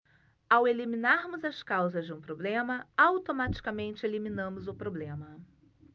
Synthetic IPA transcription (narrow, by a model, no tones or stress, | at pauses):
aweliminaɾmʊzɐskawzɐzd͡ʒɪũpɾoblẽmɐawt̪omat͡ʃi̥kɐmẽnt͡ʃɪeliminɐ̃mʊzʊpɾoblẽmɐ